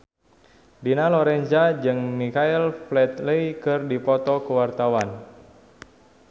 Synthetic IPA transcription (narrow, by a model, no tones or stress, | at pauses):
dinalɔɾɛnd͡ʒad͡ʒɨŋmikailflɛt̪ləikɨrdipɔt̪ɔkəwart̪awan